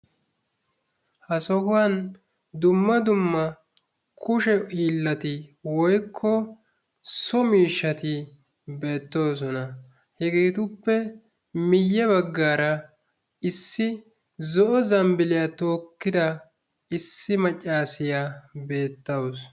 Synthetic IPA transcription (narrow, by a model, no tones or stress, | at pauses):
hɐsɔhʊwɐn | d̪ʊmːɐd̪ʊmːɐ | kʊʃɛiːlːɐt̪ɪwɔjkʰːɔ | sɔmiːʃːɐt̪ɪ | be̞ːt̪ːo̞ːs̬ɔnɐ | hɛɡeːt̪ʊpːɛ | mɪjːɛβɐɡːaːɾɐ | ɪsːɪ | zɔʔɔzɐmbɪlɪjat̪o̞ːkːɪd̪ɐ | ɪsːɪmɐt͡ʃʼːaːsɪjabe̞ːt̪ːɐws